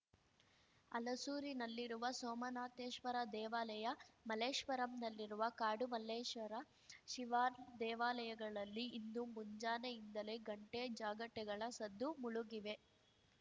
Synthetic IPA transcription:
ɐlɐsuːɾinɐlːiɾuʋɐsoːmɐnaːt̪eːʃʋɐɾɐd̪ɛːʋaːlɐjɐmɐleːʃʋɐɾɐmnɐlːiɾuʋɐkaːɖumɐleːʃʋɐɾɐ | ʃiʋaːɾd̪ɛːʋaːlɐjɐɡɐɭɐlːiːnd̪umuɲd͡ʒaːnejind̪ɐle̞ɡɐɳʈed͡ʒaːɡɐʈːɛɡɐɭɐsɐd̪ʱːumuɭuɡiʋe̞

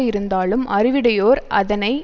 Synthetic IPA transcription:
ɪɾɯnd̪aːlɯmʔɐɾɪʋɪɽɐjoːɾɐ̰ðɐnɐɪ

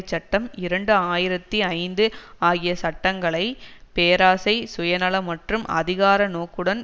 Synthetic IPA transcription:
t͡ʃːɐʈːɐmɪɾɐɳɖɯaːjɪɾɐt̪ːiɐɪnd̪ɯ | aːɣɪjɐsɐʈːɐŋɡɐɭɐɪpeːɾaːsɐɪsʊjɐnɐɭɐmɐʈrɯmʔɐ̰ðɪɣaːɾɐnoːkːɯɽɐn

